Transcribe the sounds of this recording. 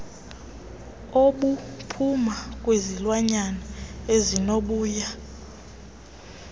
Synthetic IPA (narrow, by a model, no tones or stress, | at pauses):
oɓupʰumakʼwezilwaɲanaezinoɓuːja